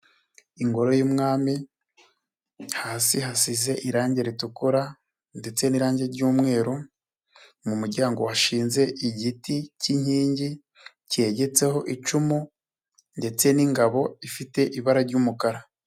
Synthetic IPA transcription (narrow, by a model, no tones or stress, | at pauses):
iŋɡo̞ɾo̞juːmŋaːmi | haːsiɦasize̞ʔiɾaːɲɟeɾitukuɾa | nde̞t͡se̞niɾaːɲɟe̞ɾɟuːmŋe̞ːɾo | mumuɾɟaːŋɡo̞waʃiːnze̞iɟiticiɲ̥hiːɲɟi | ce̞ɟe̞t͡se̞ho̞ʔit͡ʃumu | nde̞t͡se̞niŋɡaβo̞ifite̞ʔiβaɾaɾɟuːmukaɾa